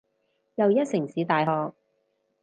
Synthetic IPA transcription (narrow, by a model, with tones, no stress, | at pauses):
jɐ˨wjɐ˥t̚sɪ˨˩ŋsiː˨˧t̪aː˨jɦɔː˨k̚